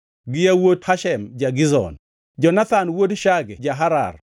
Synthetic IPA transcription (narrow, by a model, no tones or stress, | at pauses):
ɡɪjawothaʃɛmd͡ʒaɡɪzɔ̰n | d͡ʒɔnat̪anwodʃaɡɛd͡ʒaɦaɾa̰r